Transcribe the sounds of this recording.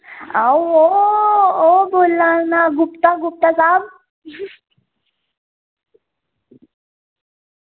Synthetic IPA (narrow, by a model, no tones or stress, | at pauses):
awo | obolːanaɡupt̪aɡup̚t̪asab̚